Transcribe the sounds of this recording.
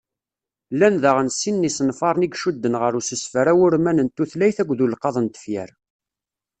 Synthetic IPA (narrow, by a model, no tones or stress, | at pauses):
lːænðəʁənsːinːisənfɑɾˤniɡʃud̪ːənʁəɾusəsfəɾæwʊɾmænənt̪ːuθlæjθækʷːðulqɑðˤənt̪ə̥fjæ̰ɾ